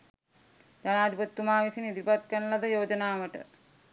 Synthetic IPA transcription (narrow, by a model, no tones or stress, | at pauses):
d͡ʒɐnaːd̪ʱipɐt̪wumaːʋisinid̪ipɐt̪̚kɐnlɐd̪ɐjoːd͡ʒɐnaːʋɐʈɐ̰